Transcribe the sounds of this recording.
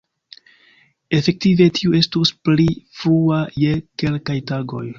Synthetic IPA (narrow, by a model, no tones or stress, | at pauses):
e̞fe̞k̚tive̞tʰiue̞stusplifɾuaje̞ke̞lkajtaɡo̞̰j